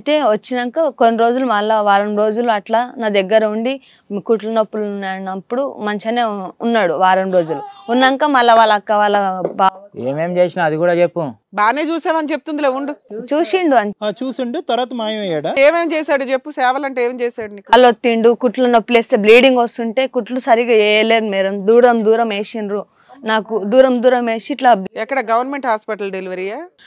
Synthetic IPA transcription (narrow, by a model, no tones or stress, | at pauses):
ɐt̪e̞ːʋɐt͡ʃːinɐŋkaːkonːiɾo̞ːd͡ʒulumɐlːɐʋaːɾɐnɾo̞ːd͡ʒuluɐʈlaːnaːd̪ɛɡːɐɾɐuɳɖi | kuʈlɐnɐpːulnnɐpːuɽumɐɲt͡ʃɐneːunːaːɽuʋaːɾɐnɾo̞ːd͡ʒuluunːɐŋkaːmɐlːɐʋaːlːɐkːaʋaːlːɐbaːḛːme̞ːmt͡ʃe̞ːsinaːd̪ikuːɽaːt͡ʃepːubaːneːt͡ʃuːsaːmɐnit͡ʃep̚t̪und̪ileːʋuɳɖut͡ʃuːsiɳɖuɐnːt͡ʃuːsiɳɖut̪ɐɾɐt̪ɐmaːjɐmɐjaːɽaeːmeːmt͡ʃeːsaːɽut͡ʃepːusɛːʋɐlɐɳʈeeːmt͡ʃeːsaːɽunikːɐlot̪ːiɳɖukuʈlɐnopːleːst̪eːbliːɖiŋɡost̪uɳʈe̞ːkuʈlusɐɾiɡaːɛːjɐleːɾumeːɾɐmd̪uːɾɐmd̪uːɾɐmeːʃinɾu | naːkud̪uːɾɐmd̪uːɾɐmeːʂiːʈlaːɛkːɐɽɐɡɐʋɐɾnmeɳʈɦaːspɐʈɐlɖeliʋɐɾijaː